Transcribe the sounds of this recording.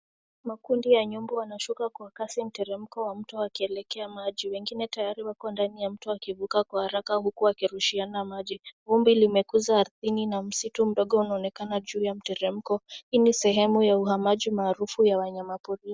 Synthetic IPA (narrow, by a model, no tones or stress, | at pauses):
makundijaɲumbuwanaʃukakwakasim̩tɛɾɛm̩kɔwam̩tɔakiɛlɛkɛamaʄiwɛŋɡinɛtajaɾiwakɔndanijam̩tɔakivukakwahaɾakahukuakiɾuʃianamaʄivumbilimɛkuzaːɾθininam̩situm̩ɗɔɠɔunaɔnɛkanaʄuːjam̩tɛɾɛm̩kɔhinisɛɦɛmujauhamaʄimaːɾufujawaɲamapuɾi